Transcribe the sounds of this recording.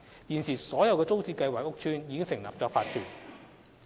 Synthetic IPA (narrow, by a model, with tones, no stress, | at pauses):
jiː˨˩nsiː˨˩sɔː˨˥jɐ˨˧wkɛː˧t͡so˥wt͡siː˧kɐ˧jwaː˨k̚ːʊ˥k̚t͡ʃʰyː˥njiː˨˧kɪ˥ŋsɪ˨˩ŋla̰ː˨p̚t͡sɔː˧kfaː˧t̚kʰyː˨˩n̚